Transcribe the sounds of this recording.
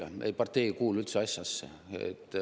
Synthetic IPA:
ɑnʔḛpɑrt̪ːe̞jkuːlylt̪seɑsʲjɑsːḛ | ḛt̪ːˑ

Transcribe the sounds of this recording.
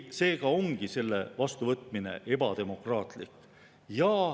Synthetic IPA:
se̞ːɡ̥ɑo̞ŋɡ̥ise̞lːe̞̰vɑst̪uvɤt̪ˑmine̞̰ʔe̞bɑt̪e̞mo̞krɑːt̪ˑlikː | jɑː

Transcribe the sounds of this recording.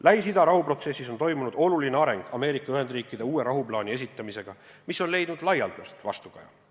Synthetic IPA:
læɦisid̪ɑɾɑɦupro̞t̪se̞sːiso̞nt̪o̞jmunud̪̥o̞lulineɑɾe̞ŋɡ̥ɑme̞ːɾikːˑɑyɦe̞nd̪riːkːˑid̪̥e̞uːe̞ɾɑɦublɑːnʲie̞s̬it̪ːˑɑmise̞ɡ̥ɑ | miso̞nle̞jd̪nud̪̥lɑjɑlt̪ust̪vɑ̰st̪uɡ̥ɑjɑ̰

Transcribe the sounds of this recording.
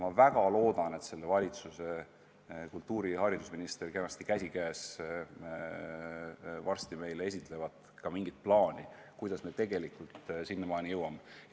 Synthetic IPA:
mɑvæɡ̥ɑlo̞ːd̪̥ɑne̞t̪se̞lːevɑlʲit̪suse | kult̪ːuːɾihɑɾid̪̥usminist̪eɾkenɑst̪ikæsʲikæːs | vɑrst̪ime̞jlee̞s̬ʲit̪ˑle̞vɑd̪̥ | kɑmiŋɡ̥it̪̚plɑːnikujd̪̥ɑsme̞t̪e̞ɡe̞likˑult̪sinːemɑːnijɤwɑme

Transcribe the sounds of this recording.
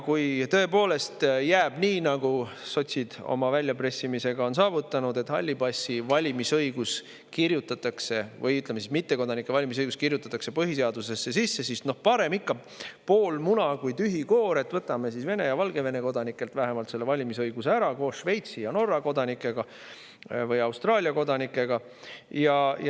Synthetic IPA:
kujt̪ø̞epo̞ːle̞st̪jæːb̥niːnɑɡuso̞t̪ʲsid̪̥o̞̰mɑvælʲjɑpre̞sːimise̞ɡ̥ɑo̞ns̬ɑːvut̪ːˑɑnud̪e̞t̪hɑ̰lʲːibɑsʲːivɑlʲimisɤjɡ̥us | kirjut̪ːˑɑt̪ːˑɑkse̞vɤjyt̪lemesismit̪ːe̞ko̞d̪ɑnikːˑe̞vɑlʲimis̬ɤjɡ̥uskirjut̪ːˑɑt̪ːˑɑkse̞pɤɦise̞ɑd̪̥use̞sːesisːe̞sisno̞hpɑɾe̞mikːɑ | po̞ːlmunɑkujt̪yɦiko̞ːɾe̞t̪ːvɤt̪ːˑɑme̞sisve̞ne̞jɑvɑlɡ̥e̞ve̞ne̞ko̞d̪̥ɑnikːˑe̞lt̪væɦe̞mɑlt̪se̞lːe̞vɑlʲimisɤjɡ̥useæɾɑko̞ːsʃve̞jt̪sijɑno̞rːɑko̞d̪ɑnikːˑe̞ɡ̥ɑ | vɤjɑwst̪rɑːlʲiɑko̞d̪ɑnikːˑe̞ɡ̥ɑ | jɑ

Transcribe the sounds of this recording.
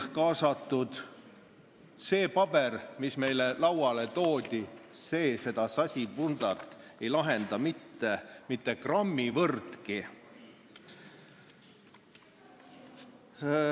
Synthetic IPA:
kɑːsɑt̪ːˑud̪̥ | se̞ːpɑb̥ermisme̞jlelɑwɑle̞t̪o̞ːd̪̥ʲise̞ːse̞d̪ɑsɑsʲiund̪̥ɑt̪ːˑe̞jlɑɦend̪ɑmit̪ːemit̪ːe̞krɑmːivɤrt̪ki

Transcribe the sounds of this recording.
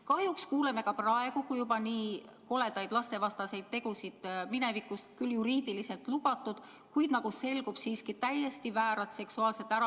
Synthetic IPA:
kɑhjukskuːle̞me̞kɑprɑe̞ɡ̥ukujubɑniːko̞le̞d̪ɑjd̪̥lɑst̪e̞vɑst̪ɑse̞jd̪̥̚t̪ːe̞ɡ̥usid̪̥mine̞vikːˑust̪kyljuɾiːd̪ilise̞lt̪lubɑt̪ːˑud̪̥ | kujd̪nɑɡuse̞lɡ̥ub̥siːskit̪æje̞st̪ivæːɾɑt̪se̞ksuɑːlset̪ːˑæɾɑ

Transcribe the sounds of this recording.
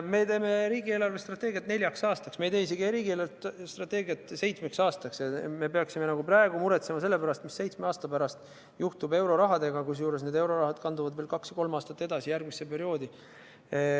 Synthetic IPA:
me̞t̪e̞ːme̞ɾiːɡie̞ːlɑrvest̪rɑt̪ːˑe̞ːɡijɑt̪ne̞lʲjɑksɑːst̪ɑksmejt̪e̞ːsiɡ̥iɾiːɡieːlɑt̪st̪rɑt̪ˑːe̞ːɡiɑt̪ːˑse̞jt̪smeksɑːst̪ɑksɑme̞peɑksime̞nɑɡ̥uprɑeɡ̥umuɾet̪se̞mɑse̞lːe̞pæɾɑst̪misːe̞jt̪smeɑːst̪ɑpæɾɑst̪ | juht̪ube̞wɾo̞ɾɑɦɑd̪̥e̞ɡ̥ɑkus̬juːɾe̞s̬ne̞ːd̪e̞wɾo̞ɾɑɦɑd̪kɑnd̪uvɑd̪ve̞ːlkɑksjɑko̞lmɑːst̪ɑt̪ːe̞d̪̥ɑsijærɡ̥mise̞pe̞ɾio̞ːd̪i

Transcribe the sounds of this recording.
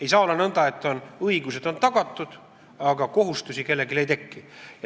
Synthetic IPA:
e̞js̬ɑːolːɑnɤnd̪̥ɑe̞t̪ːˑo̞nɤiɡuse̞d̪̥o̞nt̪ɑɡ̥ɑt̪ːˑud̪̥ | ɑɡɑko̞ɦust̪usʲike̞lːe̞ɡile̞jt̪ekːi

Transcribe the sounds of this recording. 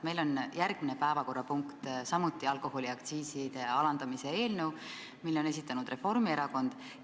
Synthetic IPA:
me̞jlo̞njærɡ̥minepæevɑko̞rːɑpuŋkt̪sɑmut̪ːˑiɑlko̞ho̞liɑkt̪siːsid̪̥e̞ɑlɑnd̪̥ɑmisee̞ːlnew | milːo̞ne̞s̬it̪ːˑɑnud̪re̞fo̞rmie̞ɾɑko̞nd̪̥

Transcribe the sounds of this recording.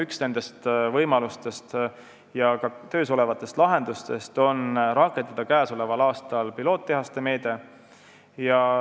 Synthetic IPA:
yksne̞nd̪̥e̞st̪vɤjmɑlust̪e̞st̪ | jɑkɑt̪ø̞ːso̞le̞vɑt̪ːˑe̞st̪lɑɦe̞nd̪̥ust̪e̞st̪o̞nɾɑkːˑe̞nd̪̥ɑd̪̥ɑkæːso̞le̞vɑlɑːst̪ɑlpilo̞ːt̪ːeɦɑst̪e̞me̞ːd̪̥e̞ | jɑ

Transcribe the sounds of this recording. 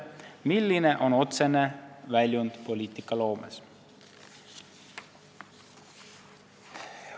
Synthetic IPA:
milːine̞ʔo̞no̞t̪se̞nevælʲjund̪̥po̞lʲiːt̪ˑikːˑɑlo̞ːmḛs

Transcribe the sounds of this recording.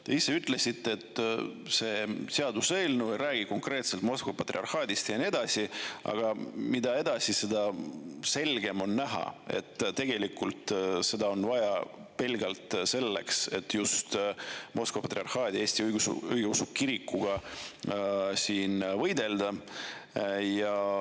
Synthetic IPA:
t̪e̞isːe̞yt̪ːˑle̞sit̪ːˑe̞t̪ːse̞seɑd̪useːlnujɾæːɡ̥iko̞ŋkre̞ːt̪se̞lt̪mo̞skvɑpɑt̪ːɾriɑrhɑːd̪ist̪jɑnied̪̥ɑsʲiɑ̰ɡ̥ɑmid̪ɑe̞d̪ɑsise̞d̪ɑse̞lɡ̥e̞mo̞nːæɦɑ̰e̞̰t̪ːt̪e̞ɡ̥e̞likːˑult̪se̞d̪ɑo̞nvɑjɑ | pe̞lɡɑlt̪se̞lːe̞kse̞t̪ːjust̪mʔo̞skvopɑt̪ːriɑrhɑːd̪ʲieːsʲt̪iɯjɡusɯjɡeusukːiɾikːuɡ̥ɑ | siːnvɤjd̪e̞ld̪ɑ | jɑ

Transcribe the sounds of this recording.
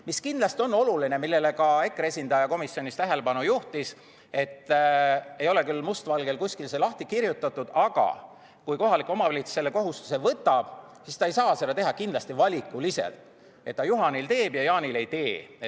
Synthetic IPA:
miskind̪lɑst̪io̞nːo̞luline̞milːe̞lekɑe̞kːˑre̞sʲind̪̥ɑjɑko̞misjo̞nist̪æɦe̞le̞bɑnujuht̪is | e̞t̪ːˑ | ejo̞le̞kylmust̪vɑlɡe̞lkusʲkilse̞lɑht̪ikirjut̪ːˑɑt̪ːˑud̪̥ɑɡ̥ɑ̰ | kujko̞ɦɑlikːˑo̞mɑvɑlit̪sse̞lːeko̞ɦust̪u̥se̞vɤt̪ːˑɑb̥ | sist̪ɑejsɑːse̞d̪ɑt̪e̞ɦɑkind̪lɑst̪ivɑlʲikːˑulise̞̰lt̪ | e̞t̪ːɑjuɦɑnilt̪e̞ːb̥jɑjɑːnile̞jt̪e̞ː

